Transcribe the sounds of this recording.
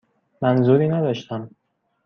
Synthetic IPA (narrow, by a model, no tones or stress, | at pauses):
mænzuɾiːnæd̪ɒːʃt̪æm